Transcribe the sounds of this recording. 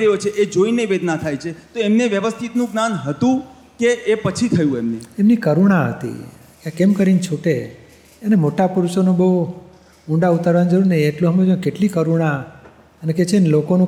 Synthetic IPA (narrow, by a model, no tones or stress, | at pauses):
ɾəɦjot͡ʃʰeʔed͡ʒoineʋed̪nat̪ʰajt͡ʃʰet̪oemneʋjəʋəst̪ʰit̪nũɡnanɦət̪ũ | keʔːpət͡ʃʰit̪ʰəjũemneemnikəɾuɽ̃aɦə̰t̪ḭ | kjãkemkəɾint͡ʃʰuʈe | ənemoʈapuɾuʃonũbəɦ | ũɳɖaut̪aɾʋand͡ʒəɾuɾnə̃ieʈlõɦəmed͡ʒəũkeʈlikəɾuɽ̃a | əneket͡ʃʰenlokonũ